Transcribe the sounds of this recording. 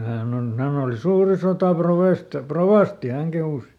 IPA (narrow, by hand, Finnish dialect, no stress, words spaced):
hæːn on hæn oli suːri sotɑˑproʋeˑst proʋɑˑsti hæŋ kehuˑs